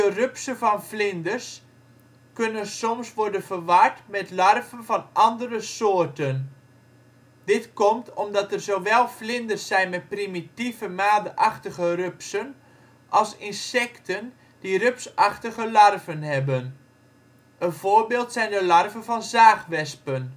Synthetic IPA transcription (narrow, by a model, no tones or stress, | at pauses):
dərøpsəvɔnflɪndərs | kønənsɔmsʋɔɹdənfərʋartmɛtlarvənvɑnʔɑndərəsoːrtən | d̥ɪtkɔmtʰɔmdɑtərzoʋɛlˠflɪndərsɛjnmɛt̚primitivəmaːdəʔaxtəɣərøpsən | ʔɑlˠsɪnsɛktʰən | d̥irøpsaxtəɣəlarvənhɛbən | ənv̥oːɹbeːlˠtsɛjndəlarvənvɑnzaːxʋɛspən